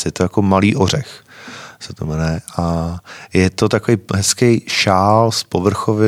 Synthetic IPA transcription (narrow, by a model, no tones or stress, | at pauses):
jɛt̪ojakomaliːʔor̝ɛxsɛt̪omnɛʔajɛt̪ot̪akovejɦɛskejʃaːlspovr̩xovɪ